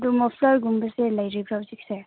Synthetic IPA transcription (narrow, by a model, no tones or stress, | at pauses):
dumɔpʰlɔɾɡumbəselajɾibʰɾawzikse